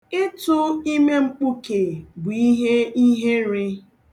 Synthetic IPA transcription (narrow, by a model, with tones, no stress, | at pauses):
ɪ˦tʊ˦i˦me˦ŋ͡m̩˦k͡pu˦ke˨ɡi˦ɦe˦i˦ɦe˦ɾɪ˦